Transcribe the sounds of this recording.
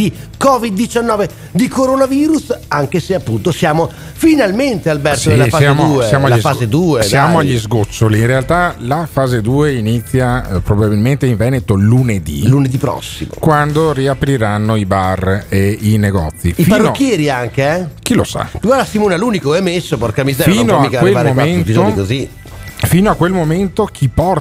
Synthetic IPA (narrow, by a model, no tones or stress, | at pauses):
ikɔːvid̪ːit͡ʃanːɔːve | d̪ikoɾonaviːɾusaŋkeseapːunt̪osjaːmo | finalment̪ealbɛrtsodelːafaamouːesjaːmoalaifaːzed̪uːesjaːmoaʎːizɡot͡ʃːoliinɾealt̪alafaːzed̪uːeinit̪sːjapɾobabilment̪eiɱvɛnet̪oluned̪ḭluned̪ipɾɔ̰sːḭmo̰kwand̪oriapɾiɾanːoibareineɡɔ̰t̪sːiifparonokːjɛːɾiaŋkeɛk̟ilo̰sa̰ɡwaɾd̪asimoːnaluːnikoɛmesːoporkamizɛɾfiːnoamikawelaɾmomaenizoikozi | fiːnoakːwelmoment̪ok̟ʰipɔr